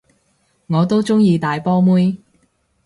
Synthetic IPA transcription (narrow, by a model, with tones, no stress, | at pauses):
ŋɔː˨˧t̪o˥wt͡sʊ˥ŋjiː˧t̪aː˨jpɔː˥muː˥j